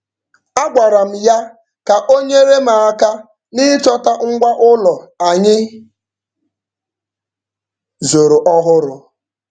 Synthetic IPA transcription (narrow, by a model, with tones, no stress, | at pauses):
a˦ɡ͡bʷa˨ɾa˨m̩˨ja˦ | ka˨ʔo˦ɲe˦ɾe˦ma˨a˦ka˦ | ni˦ɪ˦t͡ʃɔ˦ta˦ŋ̩˦ɡʷa˦ʔʊ˦lɔ˨a˨ɲɪ˦ | zo˨ɾo˨ʔɔ˦ɦʊ˦ɾʊ˦